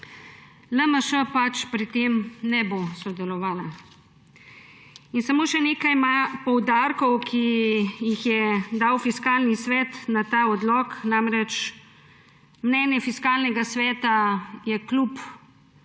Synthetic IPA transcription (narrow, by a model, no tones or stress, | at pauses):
ləməʃəpat͡ʃpɾit̪eːmnɛbosɔd̪ɛlɔʋaːla | insamoːʃɛneːkajmapɔwd̪aːɾkɔwkʰijixjɛd̪aːwfiskaːlnisʋɛːt̪nat̪aːɔd̪lɔːknamɾɛt͡ʃ | mnɛːnjɛfiskaːlnɛɡasʋɛːt̪ajɛklup